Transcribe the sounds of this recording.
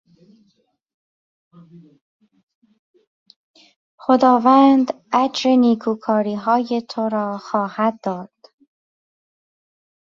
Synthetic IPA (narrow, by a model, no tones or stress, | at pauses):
xod̪ɒːvæːnd̪ʔæd͡ʒɾeniːkʰuːkʰɒːɾiːɦɒːje̞t̪ʰoɾɒːxɒːhæd̪ːɒːd̪̥